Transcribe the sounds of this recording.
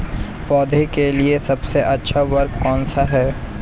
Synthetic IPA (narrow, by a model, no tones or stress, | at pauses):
pɔːd̪ʱekeliesɐbseʔɐtːʃʰaʋɐɾkkɔːnsaɦɛː